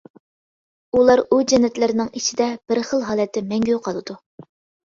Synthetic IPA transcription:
ulˠɑɾud͡ʒɛnːɛt̪lɪɾɪnɪŋit͡ʃʰid̪ɛb̥ɪɾχəlˠɦɑːlˠɛt̪ʰːɪmɛŋɡʲejuqʰɑlˠɨd̪̥u

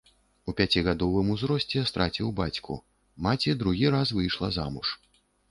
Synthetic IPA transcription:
upʲat͡sʲiɣad̪ɔvɨmuzɾɔsʲt͡sʲɛst̪ɾat͡sʲiwbat͡sʲkʰṵ | mat͡sʲid̪ɾuɣʲiɾasvɨjʂlˠɐza̰muʂ

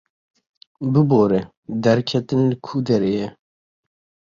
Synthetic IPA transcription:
bɨboːɾɛ | d̪ɛɾkʰɛt̪ɨnlɨkʰuːd̪ɛɾeːjɛ

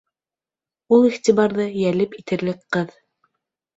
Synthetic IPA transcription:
ulˠiχt̪iβɑɾðɤjælɘpit̪ɘ̆ɾlɘkqɤð

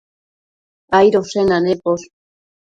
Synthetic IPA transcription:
ajɾosenanepos

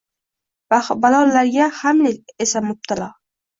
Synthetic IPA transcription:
balɒlːaɾɡʲahamleesamʊb̚t̪ʰalɒ

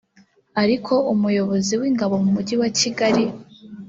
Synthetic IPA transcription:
aɾikʰo̞ʔumujo̞βo̞ziwiːŋɡaβo̞mumuɟiwaciɡaɾi

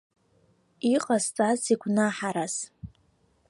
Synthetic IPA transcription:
iqʼast͡sʼaziɡʷʰnaħaɾas

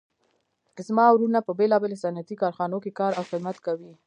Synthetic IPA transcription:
zmɑwɾunapəbelɑbelosanat̪ikɑɾxɑnokekɑɾawxɪd̪mat̪kawi

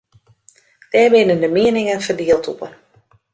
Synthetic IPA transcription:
d̥ɛːɹbɪnəndəmɪənɪŋənfərdiːəlˠtʰupən

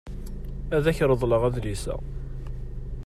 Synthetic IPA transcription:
æðæçɾˤəðˤləʁæðlisæ̰

